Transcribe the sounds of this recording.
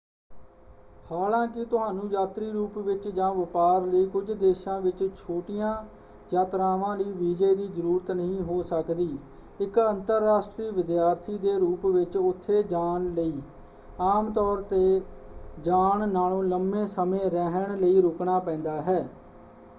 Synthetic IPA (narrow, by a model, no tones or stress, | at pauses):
haːlãːkɪt̪ʊɦaːnũːjaːt̪ɾiːɾuːpʋɪt͡ʃd͡ʒãːʋəpaːɾləiːkʊd͡ʒd̪eːʃãːʋɪt͡ʃt͡ʃʰoːʈijãː | jaːt̪ɾaːʋãːləiːʋiːd͡ʒəid̪iːzəɾuːɾət̪nəɦĩːɦoːsəkd̪iː | ɪkənt̪əɾːaːsʈɾiːʋɪd̪jaːɾt̪ʰiːd̪eːɾuːpʋɪt͡ʃʊt̪ʰːeːd͡ʒaːnləiː | aːmt̪ɔːɾt̪eː | d͡ʒaːɳnaːlõːləmẽːsəmẽːɾɛɦəɳləiːɾʊkɳaːpɛ̃ːnd̪aːɦɛː